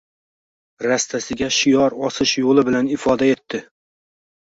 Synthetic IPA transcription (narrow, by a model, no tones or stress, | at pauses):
ɾast̪ʰasɪɡʲaʃɪjɒɾɒsɪʃjolˠɪbɪlanɪfɒd̪ae̞t̪ʰːɪ